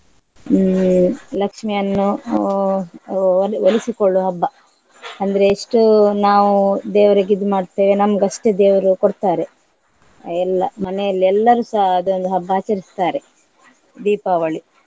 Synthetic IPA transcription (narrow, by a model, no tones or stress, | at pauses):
lɐkʂmijɐnːu | ʋolisikoɭːuɦɐbːɐ | ɐnd̪ɐɾe̞ːʂʈunaːʋud̪eːʋɐɾeɡid̪umaːɖt̪e̞ːʋenɐmːɐɡɐʂʈed̪eːʋɐɾukoɽt̪aːɾe̞ | ɛlːɐ̰mɐnɛjɐlːiɛlːɐɾuːsɐɦɐd̪ond̪uɦɐbːaːt͡ʃɐɾist̪aːɾe | d̪iːpɐːʋɐɭi